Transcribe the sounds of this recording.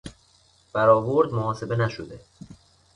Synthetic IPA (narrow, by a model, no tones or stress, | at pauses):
b̥æɾɒːvoɾd̪moɒːse̞be̞næʃod̪e̞